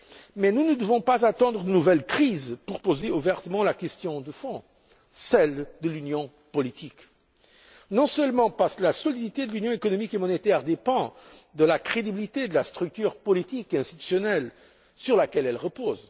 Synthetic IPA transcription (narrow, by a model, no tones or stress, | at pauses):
mɛnunəd̪əvɔ̃pazat̪ɑ̃d̪ʁəd̪ənuvɛlkχizpuʁpozeuvɛʁt̪əmɑ̃lakʲɛst̪jɔ̃d̪əfɔ̃ | sɛld̪əlynjɔ̃ | pɔlit̪ik | nɔ̃sœlmɑ̃paʁsklasɔlid̪it̪ed̪əlynjɔ̃ekɔnɔmikemɔnet̪ɛʁd̪epɑ̃d̪əlakχed̪ibilit̪ed̪əlast̪χyk̚t̪yːʁpɔlit̪ikeɛ̃st̪it̪y̥sjɔnɛl | syʁlakʲɛlɛlʁəpoːz